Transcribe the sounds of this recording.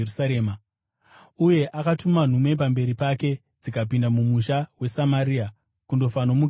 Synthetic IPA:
saɾeːma | uje̞ʔakatuman̤umwe̞p̬ambe̞ɾipake̞ | d͡zikap̬indamumuʃawe̞samaɾiːa | kundo̞fanomu

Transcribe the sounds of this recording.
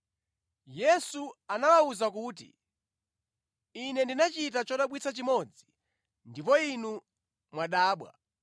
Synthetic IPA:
jɛsuanawauzakuːt̬ḭ | inɛndinat͡ʃit̬at͡ʃɔɗaɓwit͡sʰat͡ʃimɔd͡zi | ndipɔinu | mwaɗaːɓwa̰

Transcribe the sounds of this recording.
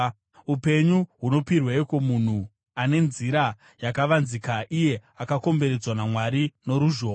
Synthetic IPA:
upe̞ɲuɦuno̞pirweekomun̤u | ane̞nziɾa | jakaʋanzikaʔije̞akako̞mbe̞ɾe̞d͡zwanamwaɾino̞ɾuʒoː

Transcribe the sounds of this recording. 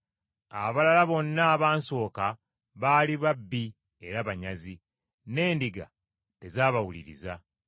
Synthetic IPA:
a̰βalalaβo̞nːaːβaːnso̞ːka | βaːliβabːi | e̞ɾaβaɲazi | ne̞ːndiɡa̰ | te̞zaːβawulḭɾḭza

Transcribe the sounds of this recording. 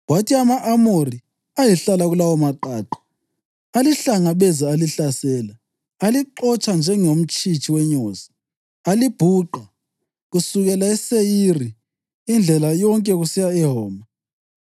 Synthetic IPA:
watʰiamaʔamori | ajɛɬalaɣulawɔmaǃaːtʰu̥ | aliɬaŋaβɛzaaliɬasɛːla | aliǃɔt͡ʃʼand͡ʒʱɛŋom̩t͡ʃʼit͡ʃʰʼiwɛɲoːzi | alib̥ʱuːǃa | ɣusuɣɛlaɛsejiri | ind͡ɮʱɛlajɔŋkʼɛɣusijaɛɦɔːma

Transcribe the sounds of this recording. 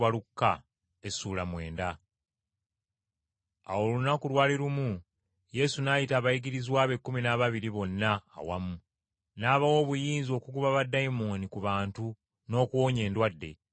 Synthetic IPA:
alukːa | esuːlamwe̞ːnda | a̰wo̞lunakulwaːliɾumu | je̞sunaːjitaːβajiɡiɾizwaːβe̞kːuminaβaβiɾiβo̞nːa̰ːwa̰mu | naːβawo̞ːβujiːnzio̞kuɡuβaβadːaimoːnikuβaːntu | no̞ːkuwo̞ːɲe̞ːndwadːe̞̰

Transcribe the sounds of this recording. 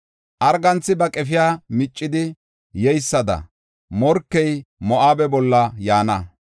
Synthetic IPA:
ʔɐɾɡɐnt͡sːɪbɐkʼɛfɪjaːmɪt͡ʃʼːɪd̪ɪ | jɛjsːɐd̪ɐ̰ | mɔɾkːɛjmɔʔaːbɛbɔlːɐjaːnɐ

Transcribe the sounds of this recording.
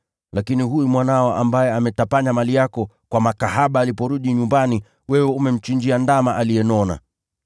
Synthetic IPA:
lakinihuumwanaɔʔambajɛamɛtapaɲamalijakɔkwamakahaɓaːlipɔɾuɗiɲumbani | wɛwɛumɛm̩t͡ʃiɲd͡ʒiandamaʔalijɛnɔna̰

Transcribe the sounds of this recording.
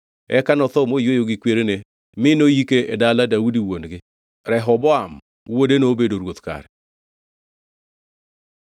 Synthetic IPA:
ɛ̰kanɔt̪ɔmojojoɡɪkweɾene | mɪnojikeɛdaladaudiwonɡɪ | ɾɛɦɔbɔam | wodenoːbedoɾwot̪ka̰ɾɛ

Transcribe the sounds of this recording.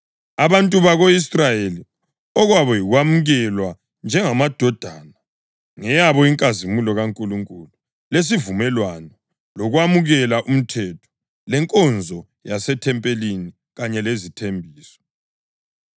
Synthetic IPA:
aβantʼuβaɣoisrajeli | ɔɣwaβɔjiɣwamuɣɛlwa | nd͡ʒʱɛŋamad̥ʱɔd̥ʱaːna | ŋɛjaβɔiŋkʼazimulɔɣaŋkʼuluŋkʼulu | les̬ivumɛlwanɔ | lɔɣwamuɣɛlaʔum̩tʰɛtʰɔ̥ | lɛŋkʼɔnd͡zʱɔ | jasɛtʰɛmpʼelini | ɣaɲɛlezitʰembʱiːsɔ̥

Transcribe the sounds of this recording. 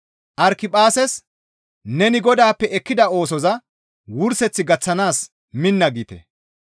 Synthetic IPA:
ʔɐɾkɪpʼaːsɛs | nɛnɪɡɔd̪aːpːɛɛkːɪd̪ɐo̞ːsɔzɐ | wʊɾsɛt͡sːɪɡɐt͡sːɐnaːs | mɪnːɐɡiːt̪ɛ̰

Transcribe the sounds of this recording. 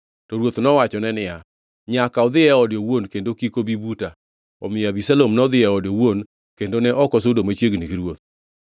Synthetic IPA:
tɔɾwot̪nɔwat͡ʃɔnɛnɪja | ɲakaɔd̪ɪɛɔdjowonkendokikobibuta | ɔ̰mɪabisalomnɔd̪ɪɛɔdowon | kendonɛʔɔkɔsodomat͡ʃjeɡniɡiɾwot̪̚

